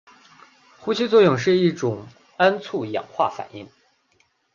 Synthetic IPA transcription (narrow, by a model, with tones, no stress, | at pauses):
xu˥ɕʰi˥t͡swɔ˥˧jʊ˥˧ŋʂɻ̩˥˧i˥˩ʈ͡ʂʊ˨˩ŋ | a˥nt͡sʰu˥˩jɑ̰˨˩ŋxwa̰˥˩fa̰˨˩nḭ˥˩ŋ